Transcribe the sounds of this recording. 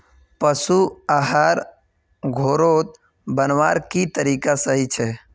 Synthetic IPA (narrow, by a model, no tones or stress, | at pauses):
pəsuaɦaːɾ | ɡʱoːɾoːt̪ | bənʋaːɾkit̪əɾiːkasəɦit͡ʃʰɛ